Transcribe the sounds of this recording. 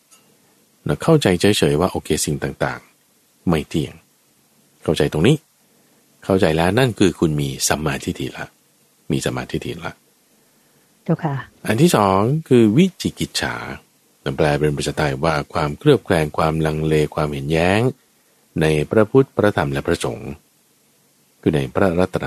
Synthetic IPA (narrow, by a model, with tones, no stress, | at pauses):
nɔ˧˩kʰa˥˩wt͡ɕa˧jt͡ɕʰɤː˦˥jt͡ɕʰɤː˩˦jwaː˥˩ʔoː˧kʰeː˧si˨˩ŋt̪aː˨˩ŋt̪a̰ː˨˩ŋ | ma˥˩jt̪ʰi˨˩əŋ | kʰa˥˩wt͡ɕa˧jt̪o˧ŋniː˦˥ | kʰa˥˩wt͡ɕa˧jlɛː˦˥wna˥˩nkʰɯː˧kʰu˧nmiː˧sa˨˦mːaː˧t̪ʰi˦˥t̪ʰi˧˩la̰˦˥ʔ | miː˧sa˧˦mːaː˧t̪ʰi˦˥t̪ʰiː˧˩la̰˦ʔ | kʰa˥ʔa˧nt̪ʰiː˥˩sɔː˩˦ŋkʰɯː˧wi˦˥t̪ʰiː˨˦˩ki˨˦t̪̚t͡ɕʰa̰ː˩˦ | ta˨˩plɛː˧pe˧npɾsa˨˧t̪ʰːa˧jwaː˥˩kʰwaː˧mkʰɾɯ˥˩əp̚kʰlɛː˧ŋkʰwaː˧mla˧ŋleː˧kʰwaː˧mhe˨˩˦njɛː˦˥ŋ | na˧jpɾa˦˧pʰu˦˥t̪̚pʰɾa˧t̪ʰa˧mlɛ˦˥pɾa˧so̰˩˦ŋ | kʰuː˧˩na˧jpʰɾa˦˥ɾa˦˥t̪ʰːɾa˧